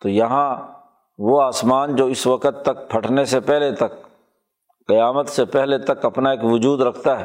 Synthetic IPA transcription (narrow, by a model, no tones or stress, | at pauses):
t̪oːjɐɦã | ʋoaːsmaːnd͡ʒoːɪsʋɐkət̪ːɐk̚pʰɐʈʰnesepɛɦlet̪ɐk̚ | qɐjaːmət̪sepɛɦlet̪ɐkɐpnaeːkʋʊd͡ʒuːd̪ɾɐkʰt̪aɦɛ